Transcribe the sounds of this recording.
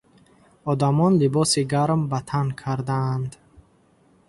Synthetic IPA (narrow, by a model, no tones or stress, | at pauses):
ɔd̪amɔnlibɔsiɡaɾmbat̪ʰankʰaɾd̪aːnd̪